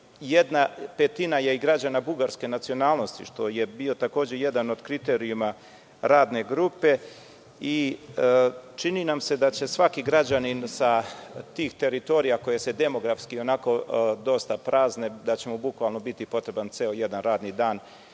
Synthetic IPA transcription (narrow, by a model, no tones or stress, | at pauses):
jed̪nape̞t̪inaje̞iɡɾad͡ʑanabuɡaɾske̞nat̪sio̞naːlˠno̞st̪ḭʃt̪o̞je̞bio̞t̪ako̞ːd͡ʑe̞je̞d̪ano̞d̪kɾit̪e̞ɾiuma | ɾaːd̪ne̞ɡɾupe̞ | i | t͡ʃininamse̞d̪at͡ɕe̞sʋakiɡɾad͡ʑaninsat̪iːxt̪e̞ɾit̪o̞ːɾijako̞je̞se̞d̪e̞mo̞ɡɾafskio̞nako̞d̪o̞st̪apɾaːzne̞d̪at͡ɕe̞mobukʋalˠno̞bit̪ipo̞t̪ɾe̞bant̪seoje̞d̪anɾaːd̪nid̪aːn